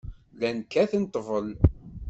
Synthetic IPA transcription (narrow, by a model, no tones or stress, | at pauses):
lænkːæθənt̪ˤːvəl